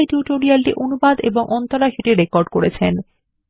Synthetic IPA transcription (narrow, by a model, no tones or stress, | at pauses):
ʈjuʈoɾialʈiʔonubad̪ḛboŋʔɔnt̪oɾaʃiʈiɾekoɾɖkoɾet͡ɕʰen